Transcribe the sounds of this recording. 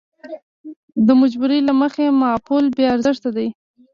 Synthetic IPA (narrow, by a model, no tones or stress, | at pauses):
d̪əmad͡ʒbuɾelaməxemɑpolbjɑaɾzɪʂt̪ad̪aj